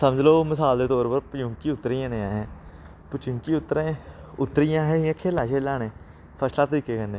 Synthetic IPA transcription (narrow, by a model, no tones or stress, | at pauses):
səməd͡ʒloːmɪsaːld̪eːt̪oːɾpəɾpət͡ʃʊŋkiːʊt̪ːɾijãːneːãːɦɛ̃ː | pət͡ʃʊŋkiːʊt̪ːɾẽːʊt̪ːɾijãːɦẽːãːkʰeːlaːʃʰeːlaːnẽː | pʰəslaːt̪əɾiːkeːkənːẽː